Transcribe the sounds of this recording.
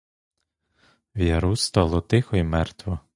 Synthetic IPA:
ʋjɐɾust̪ɔlˠɔt̪ɪxɔjmɛrt̪ʋɔ

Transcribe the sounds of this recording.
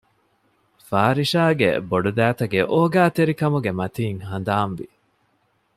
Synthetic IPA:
faːɾiʃaːɡḛboɖud̪æːt̪ɐɡeʔoːɡæːt̪eɾikɐmuɡemɐt̪iːŋhɐnd̪aːnʋḭ

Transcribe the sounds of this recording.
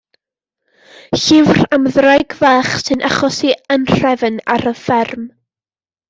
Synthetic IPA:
ɬɪvramðrajɡvɛːχsɨnʔa̰χɔsiənr̥ɛvəna̰ɾəfɛrm

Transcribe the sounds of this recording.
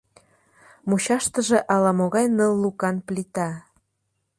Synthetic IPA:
muɕɑʃt̪ə̆ʒĕʔɑlɑmoɣɑjnəlːukɑnplit̪ɑ

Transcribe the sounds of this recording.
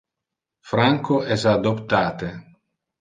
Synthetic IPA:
fɾaŋkoɛsad̪opt̪aːt̪e

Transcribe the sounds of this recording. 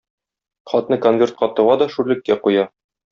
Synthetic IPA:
χɒt̪nɤkonvʲe̞rt̪qɒt̪ɤ̆ʁɑd̪ɒʃʉɾlɘ̆kːæqujɑ

